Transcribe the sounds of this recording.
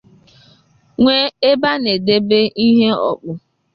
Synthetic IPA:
ŋʷe˦e˦ba˦ne˨de˦be˦i˦ɦe˦ɔ̰˨k͡pʊ˨

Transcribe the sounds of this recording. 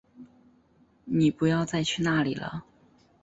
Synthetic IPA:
ni˨˩pu˧˥jɑ˥˧ʊt͡sa˥˧ɪt͡ɕʰy˥˧na˥˩li˨˩lə̰˧˦

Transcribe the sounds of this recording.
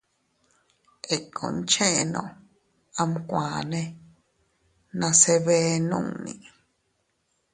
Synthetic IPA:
e˨kʰõ̰˨n˦t͡ʃẽ˦ʔnõ̰˨ | a˧m˦kʷã˨nẽ˦ | nã˧se˧βe˦nṵ̃˦˨ŋnḭ̃˨

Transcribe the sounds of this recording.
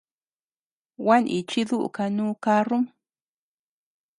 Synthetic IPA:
wa˦nʔi˧t͡ʃi˦ðu˦ʔṵ˨ka˧nũː˦ka˦ru˦m

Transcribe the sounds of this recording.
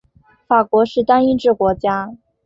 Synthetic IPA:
fa˨˩kwɔ˧˥ʂɻ̩˥˩t̪a˥ni˥nʈ͡ʂɻ̩˥˩kwɔ˧˥t͡ɕja˥

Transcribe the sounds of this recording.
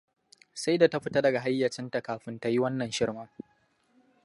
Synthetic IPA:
sa˦jda˨ta˦ɸɪ˦ta˦dɐ˨ɡa˨ɦa˦jːɐ˨t͡ʃɪ˦nta˨kaː˨ɸɪ˦nta˦ji˦wɐ˦nːɐ˨nʃɪ˦ɽmɐ˦ŋ

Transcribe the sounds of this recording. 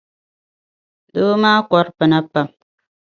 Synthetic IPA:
do˦maː˦kɔ˦ɾpɨ˨na˦pːa˦m

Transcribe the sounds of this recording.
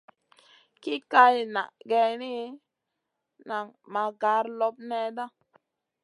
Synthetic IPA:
ki˦ka˧jna̰˨ɡe˧ni˦ | na˨ŋma˨ɡa˨˦ɾlo˧p̚ne˧da˦

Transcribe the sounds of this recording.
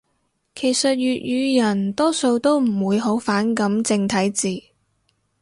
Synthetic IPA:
kʰe˨˩jsɐ˨t̚jyː˨t̚jyː˨˧jɐ˨˩nt̪ɔː˥so˧wt̪o˥wm̩˨˩wuː˨˧jɦo˨˥wfaː˨˥nkɐ˨˥mt͡sɪ˧ŋt̪ʰɐ˨˥jt͡siː˨

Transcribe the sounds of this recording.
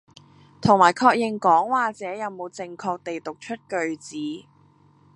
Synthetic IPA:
t̪ʰʊ˨˩ŋmaː˨˩jkʰɔː˧k̚jɪ˨˩ŋkɔː˨˥ŋwaː˨˩t͡sɛː˨˥jɐ˨˧wmo˨˧wt͡sɪ˨ŋkʰɔː˧k̚t̪e˨jt̪ʊ˨k̚t͡ʃʰɵ˥t̚kɵ˨ɥt͡siː˨˥

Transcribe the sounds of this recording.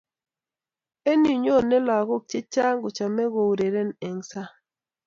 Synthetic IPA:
e˦ni˨ɲo˦˨nɛ˦la˨ɣo˦˨k̚t͡ʃɪ˦t͡ʃa˦ŋɡʊ˨t͡ʃa˨mɛ˦ɣo˨wɾe˨ɾɛ˦˨nɛ˨ŋsa˦

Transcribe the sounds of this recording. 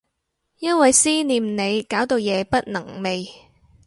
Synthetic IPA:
jɐ˥nwɐ˨jsiː˥niː˨mne˨˧jkaː˨˥wt̪o˨˧wjɛː˨˧pɐ˥t̚nɐ˨˩ŋme˨j

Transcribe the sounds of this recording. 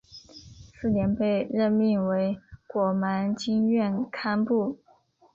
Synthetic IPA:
sɹ̩˥˩njɛ˧˥npe˥˧ɪɻə˥˧nmi˥˩ŋwe˧˥ɪkwɔ˨˩ma˧˥nt͡ɕi˥ŋɥɛ˥˩nkʰa˥npu˥˩

